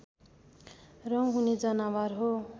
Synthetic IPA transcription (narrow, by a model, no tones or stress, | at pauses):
rʌwɦuned͡zʌnawarɦo